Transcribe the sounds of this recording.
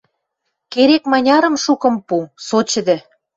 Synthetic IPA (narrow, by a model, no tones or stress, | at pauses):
keɾekmɑnʲɑɾə̆mʃukɤ̆mpusot͡ɕə̆d̪ĕ